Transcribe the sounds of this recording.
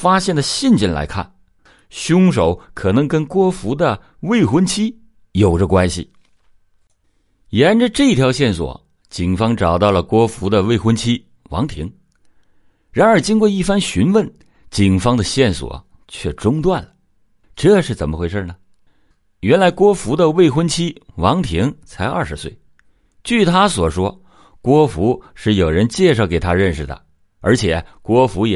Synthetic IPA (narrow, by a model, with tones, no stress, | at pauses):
fa˥ɕjɛ˥˩nd̪ə˩ɕi˥˧nt͡ɕi˥˩nla̰˧˥ɪkʰa̰˥˩n | ɕjʊ˥ŋʂo˨˥˦ʊkʰɤ˨˩nɤ˧˥ŋkə˥nkwɔ˥fu˧˥d̪ə˧ | we˥˩ɪxwə˥nt͡ɕʰi˥ | jo˨˩ʊʈ͡ʂə˧˦kwa˥nɕḭ˨˩ | jɛ˧˥nʈ͡ʂə˧ʈ͡ʂɤ˥˧i˥˩t̪ʰjɑ˧˥ʊɕjɛ˥˩nswɔ̰˨˩˦ | t͡ɕi˨˩ŋfɑ˥ŋʈ͡ʂɑ˨˩ʊt̪ɑ˥˩ʊlə˩kwɔ˥fu˧˥d̪ə˧we˥˩ɪxwə˥nt͡ɕʰi˥ | wɑ̰˧˥ŋt̪ʰḭ˧˥ŋ | ɻa˧˥nə˞˨˧˥t͡ɕi˥nkwɔ˥˧i˥˩fa˥nɕy˧˥nwə˥˩n | t͡ɕi˨˩ŋfɑ˥ŋd̪ə˨ɕjɛ˥˩nswɔ̰˨˩ | t͡ɕʰɥɛ˥˩ʈ͡ʂʊ˥ŋt̪wa˥˩nlə | ʈ͡ʂɤ˥˧ʂɻ̩˥˩t͡sə˨˩nmə˧xwe˥˧ɪʂə˥˧˩nə˩ | ɥɛ˧˥nla˧˥ɪkwɔ˥fu˧˥d̪ə˧we˥˩ɪxwə˥nt͡ɕʰi˥wɑ˧˥ŋt̪ʰi˧˥ŋt͡sʰa˧˥ɪɐ̰˞˥˩ʂɻ̩˧˥swe˥˩ɪ | t͡ɕy˥˩t̪ʰa˥swɔ˨˩ʂwɔ˥ | kwɔ˥fu˧˥ʂɻ̩˥˩jo˨˩ʊɻə˧˥nt͡ɕjɛ˥˧ʂɑ˥˩ʊke˨˩ɪt̪ʰa˥ɻə˥˩nʂɻ̩˨˩d̪ə̰˩ | ə˞˧˥t͡ɕʰjɛ˨˩˦kwɔ˥fu˧˥jɛ˨